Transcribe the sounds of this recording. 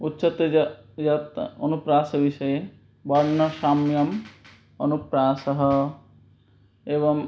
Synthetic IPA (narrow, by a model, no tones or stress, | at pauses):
utːʃɔt̪jat̪onupɾaːsɔbiʃɔje | bɔɾnɔʃamjɔm | ɔnupɾaːsɔɦɔ | eβɔŋ